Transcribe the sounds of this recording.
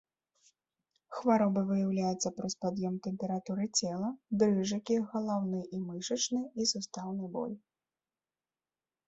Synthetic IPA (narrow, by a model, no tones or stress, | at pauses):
xvaɾɔbɨvɨjawlʲajɛt̪sːɐpɾɔspad̪jɛmt̪ɛmʲpʲɛɾat̪uɾɨt͡sʲɛlˠɐd̪ɾɨʐɐkʲiɣɐlˠawnɨʔimɨʂɐt͡ʂnɨisust̪awnɨbɔ̰lʲ